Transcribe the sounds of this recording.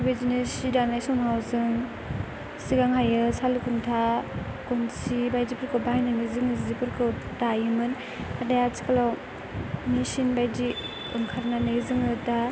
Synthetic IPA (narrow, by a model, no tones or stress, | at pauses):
bezinesidanajsɔmawzɯŋ | siɡaŋajɯsalukʰuntʰa | konsibajdipɯɾkɯwbaajnaŋizɯŋɯzipɯɾkʰɯwtajimɯn | adajat͡ʃi̥kʰalaw | nisinbajdi | ɯŋkʰaɾnanazɯŋɯta